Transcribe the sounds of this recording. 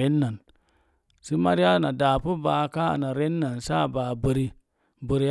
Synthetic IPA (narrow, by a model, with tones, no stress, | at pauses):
e˦nːa˨n | si˦ma˦ɾi˦a˦˨na˨da˨pu˦ba˨ka˦a̰˨na˨ɾe˦nːa˨nsa˦˨ba˨bə˨ɾi˨ | bə˨ɾi˨˦